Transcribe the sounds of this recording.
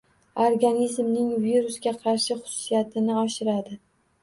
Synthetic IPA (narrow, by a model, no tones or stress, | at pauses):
oɾɡanizmnɪŋviɾʊsɡʲaqʰɑɾʃɪχʊ̥sʊ̥sijat̪ʰɪnɪɒʃɪɾad̪ɪ